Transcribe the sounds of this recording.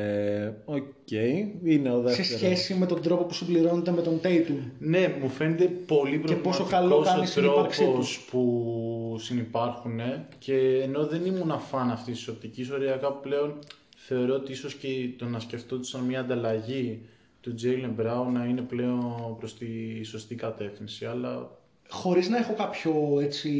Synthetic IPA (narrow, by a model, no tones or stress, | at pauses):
eoce̞jineoðeseseɾçe̞simet̪o̞nd̪ɾo̞po̞pusimbliɾo̞net̪emet̪o̞nt̪ejt̪unemufe̞net̪e̞po̞lipɾoepo̞ssokɐlokɐnisɾioɐɾksiouspu | sinipɐɾxune̞ce̞ːno̞ðe̞nimunɐfɐnɐft̪ist̪i̥sop̚t̪iciso̞ɾiɐkɐple̞o̞n | θe̞o̞ɾo̞ot̪iiso̞scet̪onɐsce̞ft̪ot̪u̥sɐnmɲɐːnd̪ɐlɐʝi | t̪ud͡zejlembɾɐunɐine̞ple̞o̞npɾo̞st̪iso̞st̪ikɐt̪e̞fθinsiɐlɐ | xo̞ɾiznɐexo̞kɐpçoet͡si